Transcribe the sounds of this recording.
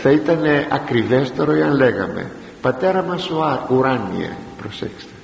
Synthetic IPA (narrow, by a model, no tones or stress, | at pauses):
θɐit̪ɐneʔɐkɾivest̪oɾojɐnleɣɐ̰mḛ | pɐt̪eɾɐmɐsoaɾuɾanḭɐ̰pɾosḛkst̪e̥